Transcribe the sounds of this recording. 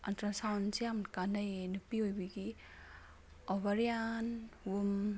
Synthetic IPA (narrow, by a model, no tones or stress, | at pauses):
ɐntɾasawnsijamkanajenupiojbiɡi | ɔβaɾijanum